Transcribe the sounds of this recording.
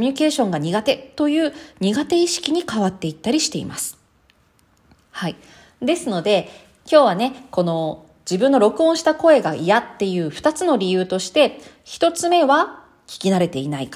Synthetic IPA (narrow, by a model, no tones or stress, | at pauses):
omʲiɲ̟ike̞ːɕõ̞ŋɡaɲ̟iɡat̪e̞t̪o̞jɯ̟ːɲ̟iɡat̪e̞iɕi̥kʲiɲ̟ikaβat̪ːe̞it̪ːaɾʲiɕi̥t̪e̞ḭmasɨ̥ | hai | d̪e̞sɨno̞d̪e̞ | kʲo̞ːβ̞ane̞ko̞no̞ | d͡ʑibɯ̟̃nːo̞ɾo̞kɯ̟õ̞ɰ̃ɕi̥t̪ako̞e̞ɡaijat̪ːe̞jɯ̟ːɸɯ̟̥t̪at͡sɨno̞ɾʲijɯ̟ːt̪o̞ɕi̥t̪e̞ | çi̥t̪o̞t͡sɨme̞βa | kʲi̥kʲinaɾe̞t̪e̞inaikḁ